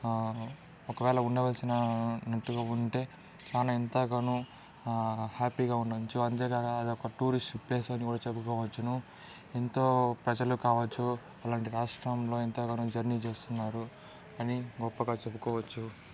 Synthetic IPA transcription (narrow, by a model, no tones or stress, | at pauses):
ɔkɐʋɛːɭɐuɳɖɐʋɐlsinɐnɐʈːuɡaːuɳʈe̞ː | t͡ʃaːnaint̪aːɡanu | haːpiːɡaːuɳɖɐt͡ʃːuɐnt̪eːɡakaɐd̪iɔkɐʈuːɾisʈpleːsɐnikuːɽaːt͡ʃebukɔːʋɐt͡ʃːɐnu | ent̪o̞ːpɾɐd͡ʒɐlukaːʋɐt͡ʃːu | ɐlaːɳʈiɾaːʂʈɾɐmlo̞ːint̪aːɡaːnud͡ʒɐɾnit͡ʃe̞ːst̪unːaːɾu | ɐniɡɔpːɐɡaːt͡ʃebukɔːʋɐt͡ʃːu